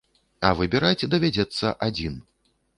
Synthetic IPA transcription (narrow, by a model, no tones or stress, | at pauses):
ɐvɨbʲɛɾajt͡sʲd̪ɐvʲad͡zʲɛt̪sːɐʔad͡zʲin